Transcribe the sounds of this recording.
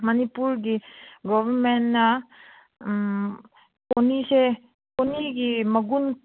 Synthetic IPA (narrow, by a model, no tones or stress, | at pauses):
mɐnipuɾɡiɡɔʋəɾmenna | konise | koniɡimɐɡun